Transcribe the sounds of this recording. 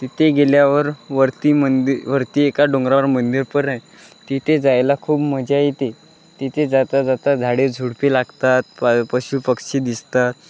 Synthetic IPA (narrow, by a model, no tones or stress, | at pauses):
t̪it̪ʰeɡeljaʋəɾʋəɾt̪imənd̪ʋəɾt̪iːekaɖõŋɡɾaɾmənd̪iɾpəɾəj | t̪it̪ʰed͡zajlakʰuːbm̤əd͡ʑait̪e | t̪it̪ʰed͡zat̪ad͡zat̪ad͡zʱaɽed͡zʱuɽpilaɡt̪at̪̚pəɕupəkɕid̪ist̪at̪̚